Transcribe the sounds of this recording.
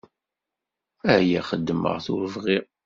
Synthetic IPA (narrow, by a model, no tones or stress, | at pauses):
æhjæχəd̪ːmə̰ʁθʊ̰ɾəvʁiʁ